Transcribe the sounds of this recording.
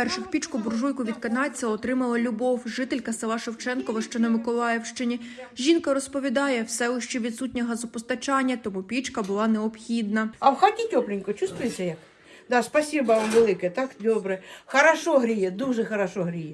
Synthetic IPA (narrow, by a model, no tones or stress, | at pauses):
pɛrʃɪxpʲit͡ʃkʊbʊrʒujkʊʋʲid̪kɐnɑt͡sʲːɐɔt̪ɾɪmɐlˠɐlʲʊbɔwʒɪt̪elʲkɐsɪlˠɑʃewt͡ʃɛnkɔʋɐʃt͡ʃɔnɐmɪkɔlˠɑjɛwʃt͡ʃɪnʲiʒʲinkɐɾɔspɔʋʲid̪ɑjɛwsɛʊʃt͡ʃɛʋʲid̪sut̚ʲnʲɐɦɐzɔpɔst̪ɐt͡ʃɑnʲːɐt̪ɔmupʲit͡ʃkɐbʊlˠɑnɛɔbxʲid̪nɐɐwxatʲitʲɔplʲɪnʲkɔt͡ʃust̪ʋʊjet͡sʲːɐjɐk | d̪ɑspɐsʲibɐmʋelˠɪkɛt̪ɑkd̪ɔbɾɛxɐɾɐʃɔɦɾʲijɛd̪uʒɛxɐɾɐʃɔɦɾʲijɛ